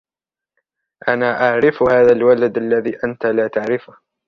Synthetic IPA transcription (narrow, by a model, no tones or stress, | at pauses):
ʔanaːʔaʕɾɪfhaːðalwalad̪ʔalːaðiːʔant̪alaːt̪aʕɾɪfʊh